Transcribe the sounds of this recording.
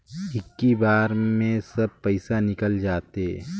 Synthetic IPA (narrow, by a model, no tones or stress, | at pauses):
ɦɪkːibaːɾmẽsɐb̚pɐɪsanɪkəld͡ʒaːt̪e